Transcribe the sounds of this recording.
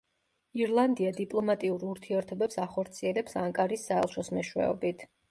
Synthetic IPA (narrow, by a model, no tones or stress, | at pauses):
iɾlˠand̪iad̪ipʼlˠɔmat̪ʼiuɾuɾt̪ʰiɛɾt̪ʰɔbɛpsaχɔɾt̪sʰiɛlɛpsaŋkʼaɾisːaɛ̰lˠʃɔsmɛʃwɛ̰ɔ̰bit̪ʰ